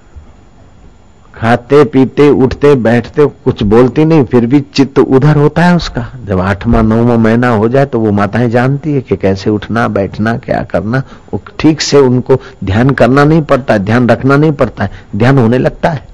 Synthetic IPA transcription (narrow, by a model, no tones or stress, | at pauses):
kʰaːt̪epiːt̪eʊʈʰt̪ebɛːʈʰt̪ekʊt͡ʃʰboːlt̪inɐɦĩpʰɪɾbʱit͡ʃɪt̪ʔʊd̪ʱəɾɦoːt̪aɦɛʊskaːd͡ʒɐbaːʈʰmãnɔ̃ːmẽmɐɦɪnaɦod͡ʒaːet̪oʋomaːt̪ãɦẽd͡ʒaːnt̪iɦɛkekɛːseʊʈʰnabɛːʈʰnakja̰ːkɐɾnaʊkʈʰiːkseʊnkod̪ʱjaːnkɐɾnanɐɦĩpɐɽt̪aɦɛd̪ʱjaːnɾɐkʰnanɐɦĩpɐɽt̪aɦɛd̪ʱjaːnɦoːnelɐɡ̚t̪aɦɛː